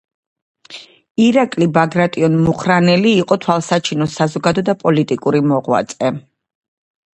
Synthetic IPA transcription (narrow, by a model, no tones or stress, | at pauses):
iɾakʼlibaɡɾat̪ʼiɔnmuχɾanɛliːqʼɔt̪ʰwalˠsat͡ʃʰinɔsazɔɡad̪ɔd̪apʼɔlit̪ʼikʼuɾimɔʁwa̰t̪sʼɛ